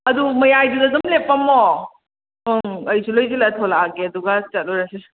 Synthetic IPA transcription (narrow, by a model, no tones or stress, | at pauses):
ɐdumɐjajdudɐzɐmlepːɐmo | oŋɐjsʰulojzilatʰolaːɡeɐduɡat͡ʃɐt̚loɾɐse